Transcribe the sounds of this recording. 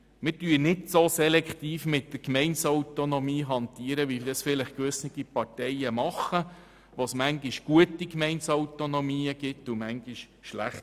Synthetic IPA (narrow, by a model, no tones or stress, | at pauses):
mɪtyːɾnɪtsosɛlɛkχt̪iːfmɪtːəɾkmɛɪnsɔwt̪onomiːɦɑnt̪iəɾəʋidəsfɪləχkʋʏsnɪɡ̥ipɑɾtɛjəmɑχːə | ʋosmæŋɡiʃɡ̥uətikmɛɪnsɔwt̪onomiːəɡ̥ɪtːumæŋɡiʃ | ʃlæχt